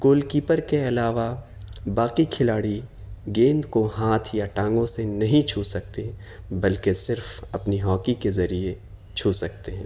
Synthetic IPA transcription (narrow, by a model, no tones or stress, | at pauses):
koːlkiːpəɾkeɐlaːʋa | baːqikʰɪlaːɽi | ɡẽːnd̪koɦaːt̪ʰjaʈãːŋɡõsenɐɦĩt͡ʃʰuːsɐk̚t̪e | bɐlkesɪɾfɐpniɦɔːkikezɐɾie | t͡ʃʰuːsɐk̚t̪eɦɛ̰̃ː